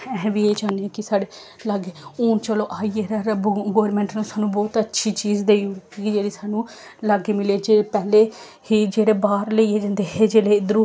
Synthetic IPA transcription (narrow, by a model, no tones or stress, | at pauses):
ɛɦʋieːd͡ʒaːneːkɪsaːɽeː | laɡeːoːnt͡ʃəloːʔaːiːeːɾɛɾbɡoːɾmɛ̃ːɳʈnũːsaːnũːbɔːt̪ətːʃʰiːt͡ʃiːzd̪eːoːkːkid͡ʒeːɽiːsaːnũː | laɡeːmɪleːd͡ʒeːepɛːleː | hiːd͡ʒeːɽeːbaːɾləiːeːd͡ʒə̃nd̪eːɦeːd͡ʒeːleːɪd̪əɾuː